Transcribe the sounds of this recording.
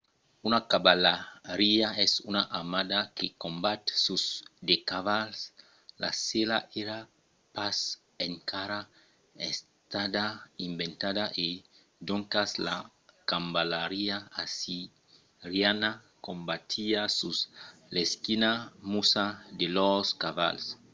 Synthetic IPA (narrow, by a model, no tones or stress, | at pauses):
unakabalaɾiaɛsunaʔamad̪akekombat̪susd̪ekaβals | la̰selaʔeɾa | pas | eŋkʰaɾa | es | t̪ad̪aimbent̪adaʔe | d̪oŋkasla̰ | kambalaɾiaasi | ɾjana | kombat̪ʰiasusleskinamusad̪eloskaβa̰ls